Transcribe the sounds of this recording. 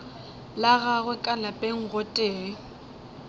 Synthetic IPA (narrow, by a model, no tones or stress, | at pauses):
laɣaɣwɛkʼalapʼeŋ̩ɣotʼeː